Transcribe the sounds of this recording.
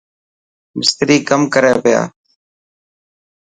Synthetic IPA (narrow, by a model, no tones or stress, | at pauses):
mɪst̪ɾiːkəmkəɾeːpɪja̰ː